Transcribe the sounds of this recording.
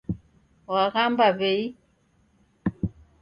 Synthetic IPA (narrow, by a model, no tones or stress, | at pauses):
waɣambaβɛi